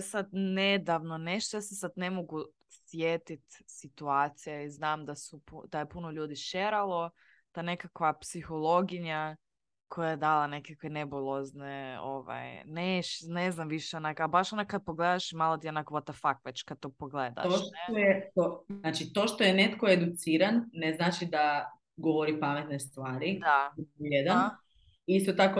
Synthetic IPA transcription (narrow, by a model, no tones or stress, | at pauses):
sad̪ned̪aʋnoneʃt̪ojasesad̪ne̞moɡu | sʋjet̪it̪sit̪uaːt̪sijaiznaːmd̪asupud̪̥ajepunoʎuːd̪iʃeɾalˠo̞ | t̪ane̞kakʋapsixolˠo̞ɡiɲa | kʰojajed̪aːlˠanekakʋenebulˠozneo̰ʋa̰jneʃneznamʋiʃeonakabaʃonakad̪̚poɡleːd̪aʃmaːlˠot̪ionakoʋot̪afakʋet͡ɕkad̪̚t̪opoɡleːd̪a̰t̪oʃojet̪onaːt͡ʃit̪o̞ʃt̪ojenet̪koed̪ut̪siːɾanːeznaːt͡ʃid̪a | ɡoʋoɾipamet̪nest̪ʋaːɾid̪ajed̪an | iist̪ot̪ako